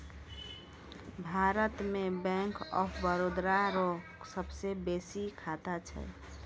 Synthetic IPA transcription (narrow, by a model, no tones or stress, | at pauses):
bʱaɾət̪mebɛ̃ŋkɔ̰pʰbəɾod̪ɾaɾo | səbsebesikʰat̪at͡ʃʰɛ̰